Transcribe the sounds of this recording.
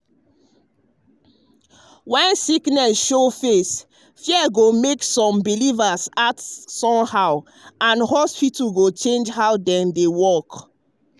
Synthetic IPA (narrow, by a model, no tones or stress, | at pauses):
wɛ̃nsiknɛsʃofes | fjɛɡomeksɔ̃mbilivasatsɔ̃mhaʊ | ãnhɔspituɡot͡ʃẽnd͡ʒhaʊdɛ̃mdewɔk